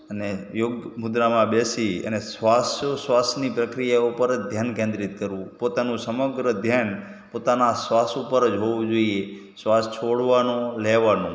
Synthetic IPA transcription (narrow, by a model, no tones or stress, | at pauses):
ənejoɡmʊd̪ɾamãbesiə̰nesʋasosʋasnipɾəkɾijaupəɾəd͡ʒd̪ʱjankẽnd̪ɾit̪̚kəɾʋũpot̪anũsəməɡɾəd̪ʱjan | pot̪anasʋasupəɾəd͡ʒɦoʋũd͡ʒoie | sʋast͡ʃʰoɽʋanõleʋanũ